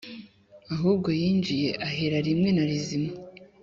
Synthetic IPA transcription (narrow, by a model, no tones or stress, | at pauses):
aɦuːb̚ɡo̞jiːnd͡ʒije̞ʔaɦeɾaɾimŋe̞naɾizima